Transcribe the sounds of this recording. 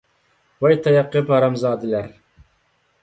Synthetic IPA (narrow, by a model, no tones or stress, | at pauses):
wɛjt̪ʰɑjɑqːɨbhɑɾɑmzɑːd̪ɨlæɾ